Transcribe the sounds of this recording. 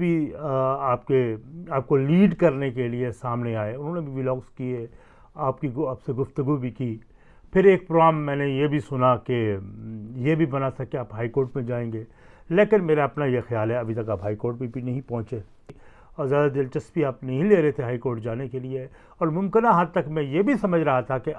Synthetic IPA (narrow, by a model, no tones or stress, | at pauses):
bi | aːp̚keaːp̚koliːɖkɐɾnek̬eliesaːmneaːeʊnɦõːnebʱiʋɪlɔːkskie | aːp̚kiaːpseɡʊft̪əɡubʱikiː | pʰɪɾeːk̚pɾoːɡaːmːɛ̃ːnejebʱisʊnake | jebʱibɐnat̪ʰakeaːpɦaːikoːɾʈmẽd͡ʒaːẽːŋɡeː | leːkɪnmeːɾaɐpnajexjaːlɦɛɐbʱit̪ɐkaːpɦaːikoːɾʈ̚bipinɐɦĩpɔ̃ɦʊ̃t͡ʃe | ɔːɾzjaːd̪ad̪ɪlt͡ʃɐsbiaːpnɐɦĩleːɾɐɦet̪ʰeɦaːikoːɾʈd͡ʒaːnekelie | ɔːɾmʊ̃mkɪnaɦad̪̚t̪ɐkmɛ̃jebʱisɐməd͡ʒʱɾɐɦat̪ʰake